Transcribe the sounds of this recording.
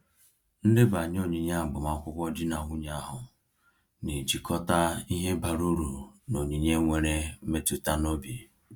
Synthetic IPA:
n̩˦dɪ˦ba˨ɲ˦o˦ɲi˨ɲa˦˨ɡ͡bʊ˨ma˦kʷʊ˦kʷɔ˦d͡ʒi˦na˨ŋʷu˦ɲa˦ɦʊ˨ | ni˨d͡ʒi˨kʰɔ˦ta˦i˦ɦe˦ba˨ɾu˦ɾu˨no˨ɲi˨ɲe˦ŋʷe˨ɾe˦me˦tu˨ta˦no˦bi˨

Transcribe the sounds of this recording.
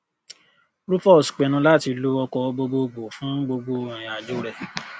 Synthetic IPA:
ɾu˦fɔ˦˨sk͡pɛ˨nũ˧˦la˦˨ti˧lu˦ɔ˧kɔ˧ɡ͡bo˧ɡ͡bo˧ɡ͡bo˨fũ˦ɡ͡bo˧ɡ͡bõ˧˨a˨d͡ʒo˦ɾɛ˨

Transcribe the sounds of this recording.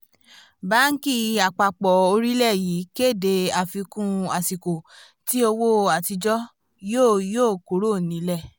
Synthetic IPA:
ba˦ŋ̩˦ki˦˨a˨k͡pa˧˨k͡pɔ˨o˧ɾi˦lɛ˦˨jiː˨˦ke˦˨de˧a˨fi˧kũ˦a˨si˨ko˨ | ti˦o˧wo˦a˨ti˧d͡ʒɔ˦ | joː˦˨joː˦˨ko˨˦ɾo˦˨nĩ˨˦lɛ˦˨

